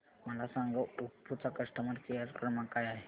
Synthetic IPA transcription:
məlasãŋɡəʔupput͡sakəʂʈəməɾkiəɾkəɾmakajaɦe

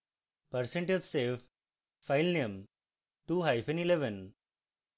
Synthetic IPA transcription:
pəɾsẽɳʈedseːf | faɪlnẽm | ʈuɦaɪfɛ̃nileʋə̃n

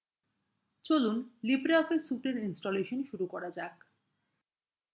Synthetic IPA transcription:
t͡ɕolunlibɾeɔfesuʈeɾinsʈoleʃonʃuɾukɔɾad͡ʑak

